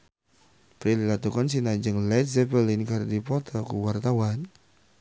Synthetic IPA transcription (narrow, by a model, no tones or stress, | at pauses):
pɾililat̪ukansinad͡ʒəŋlɛt̪̚zɛpəlinkardipɔt̪ʰɔkṵwart̪awan